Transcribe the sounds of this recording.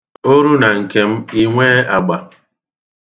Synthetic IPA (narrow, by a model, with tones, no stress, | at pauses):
o˦ɾu˦na˨ŋ̩˨ke˨m̩˦i˦ŋʷe˦a˨ɡ͡ba˨